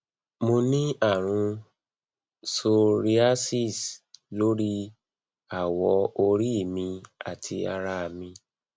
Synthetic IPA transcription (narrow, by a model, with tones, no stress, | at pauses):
mo˧nĩ˦a˦˨ɾ̃ũ˧ | so˧ɾi˧a˦si˦˨slo˦ɾi˦ | a˦˨wɔ˧˦o˧ɾi˦˨mĩ˧a̰˦˨tʰi˧a˧ɾa˧˨mĩ˧